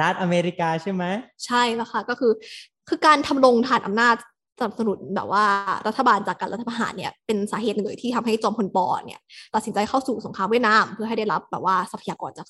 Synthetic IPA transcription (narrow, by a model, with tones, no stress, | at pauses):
a˦˥t̪ʔa˧meː˧ɾi˦˥kaː˧t͡ɕʰa˥˩jma˦˥jt͡ɕʰa˥˩jla˧˩kʰa˥˩kɔː˥˩kʰɯː˧ | kʰɯː˧kaː˧nt̪ʰa˧mlo˧ŋt̪ʰaː˨˩nʔa̰˧mnaː˥˩t̪̚ | sa˧na˨˩p̚sa˧nu˨˩t̪̚bɛ̰ː˨˩p̚waː˥˩ɾa˦t̪ʰːa˧baː˧nt͡ɕaː˨˩kːa˧nlɾa˦t̪ʰːa˧pʰa˧ɦa̰ː˩˦nːi˥˩ɐpe˧nsaː˩˦ɦeː˨˩t̪̚lɤː˧˩jt̪ʰiː˥˩tʰmɦa˥˩jt͡ɕɔː˧mpʰo˧npɔː˧ni˥˩ɐt̪a˨˩t̪̚si˩˦t͡ɕa˧jkʰa˥˩wsuː˨˩so˩˦ŋkʰaː˧mwi˥˩ət̪̚naː˧˥˩mpʰɯ˥˩ɐɦa˥˩jda˥˩jɾa˦˥p̚bɛː˨˩waː˥˩sa˧pʰa˧jaː˧kɔː˧nt͡ɕaː˨˩k